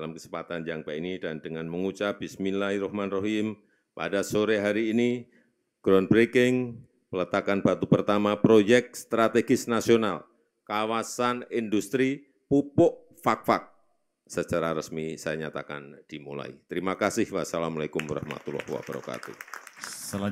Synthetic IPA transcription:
dalamkəsəmpat̪and͡ʒaŋkainidandəŋanməŋut͡ʃapbisminlaiɾɔhmanroɦim | pa̰dasoɾeɦaɾiːni | ɡ̥ɾɔnbɾekɪŋ | pələt̪akanbat̪upərt̪amapɾojɛk̚st̪ɾat̪eɡɪsnasional | kawasanindust̪ɾi | pupɔʔ | fak̚fak̚ | sət͡ʃaɾaɾəsmisajaɲat̪aka̰nd̥imṵla̰ḭt̪əɾimakasɪhwasalamalakumwaɾa̰hma̰t̪ulɔ̰hwa̰b̥əɾɔ̰ka̰t̪ṵ

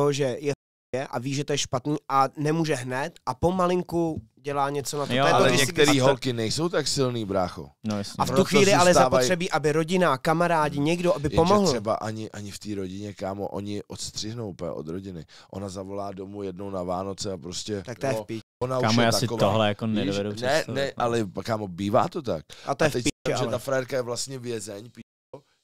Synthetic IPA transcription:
ɦoʒɛjɛ | ɛʔaviːʒɛt̪ojɛʃpat̪niːʔanɛmuːʒɛɦnɛt̪ʔapo̞malɪŋku | ɟɛlaːɲɛt͡sonat̪oɛloɡdɪɛsɪɛɾiːɦolkɪnɛjsowt̪aksɪlniːbɾaːxo̰njasɲaft̪uxviːlɪalɛjɛaaoajt̪ɾɛbiːʔabɪɾo̞ɟɪnakamaɾaːɟɪɲɛɡdoʔabɪpomoɦl̩ɛba̰ʔaɲɪʔaɲɪft̪iːɾoɟɪɲɛkaːmo̰ʔo̰ɲɪʔot̪st̪r̥ɪɦnowpɛ̰ʔo̞̰d̪ɾoɟɪnɪʔo̞nazavo̞laːdo̞mujɛdno̞wnavaːno̞t͡sɛapɾoscɛt̪ak̚t̪ojɛpiɛonauaʃɛt̪asɪkovoɦlɛjakonɛdovɛdunɛɛnɛʔʔalɛkaːmobiːva̰ːt̪ot̪akʔat̪oajɛɛciʒɛt̪afɾajɛɾkajɛvlast̪ɲɛvjɛzɛɲpiːʃko

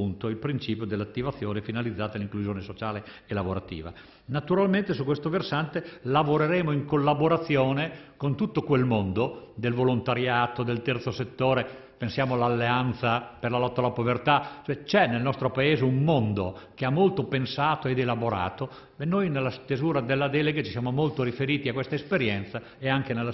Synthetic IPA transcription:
unt̪oilpɾint͡ʃiːpjod̪elːat̪ːivat̪sːjoːnefinalid̪zːaːt̪aelːiŋkluzjoːnesot͡ʃaːle | elavoɾat̪ḭːva̰ | nat̪uɾalment̪esukwest̪oversant̪elavoɾeɾeːmoiŋkolːaboɾat̪sːjoːnekont̪ut̪ːokwelmond̪od̪elvolont̪aɾjaːt̪od̪elt̪ɛrt̪soset̪ːoːɾe | pensjaːmoalːalːeant̪saperlalɔt̪ːalːapovert̪at͡ʃoɛt͡ʃɛnelnɔst̪ɾopaeːzeummond̪okeamːolt̪opensaːt̪oed̪elaboɾa̰ːt̪o | benːojnelːast̪ezuːɾad̪elːad̪ɛleɡat͡ʃi̥sjaːmomolt̪oɾifeɾiːt̪iakwest̪aespeɾjɛnt̪sa | eaŋk̟enelːa

